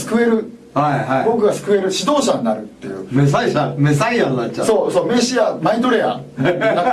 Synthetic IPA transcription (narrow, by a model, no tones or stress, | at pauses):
sɨ̥kɯ̟e̞ɾɯ̟ | haihaibo̞kɯ̟ɡasɨ̥kɯ̟e̞ɾɯ̟ɕid̪o̞ːɕaɲ̟inaɾɯ̟t̪ːe̞̰jɯ̟ːmes̬aiɕames̬aianat͡ɕːt͡ɕːa̰so̞ːsoːme̞ɕiamait̪oɾe̞a̰na